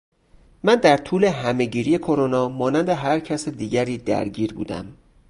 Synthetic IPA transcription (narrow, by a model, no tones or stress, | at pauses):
mænd̪æɾt̪ʰuːle̞ɦæme̞ɟiːɾije̞kʰoɾonɒːmɒːnænd̪e̞ɦæɾcʰæsed̪iːɟæɾiːd̪æ̰ɾɟiːɾbṵːd̪æ̰m